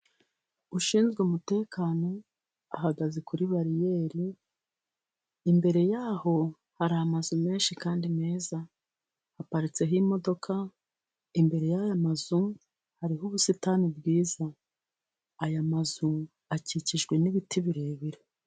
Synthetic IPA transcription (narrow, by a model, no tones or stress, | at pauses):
uʃiːnzɡeumute̞ːkaːno̞ | a̰haɡazekuɾiβaɾije̞ːɾi | mbe̞ɾe̞jaːho̞ | haɾaamazume̞ːnʃikaːndime̞ːza | hapaɾit͡se̞ɦimo̞do̞kʰa | imbe̞ɾe̞jajamazu | haɾiɦuβusitanibɡiːza | jamazu | aciciʒɡwe̞niβitʰiβiɾeːβiɾe